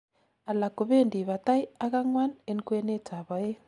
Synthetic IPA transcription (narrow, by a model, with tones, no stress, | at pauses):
a˨la˨ko˨βe˦˨ndi˨βa˨ta˦i˦a˦ɣa˦ŋwa˦ne˦nkwe˦ne˦ta˨βa˨je˦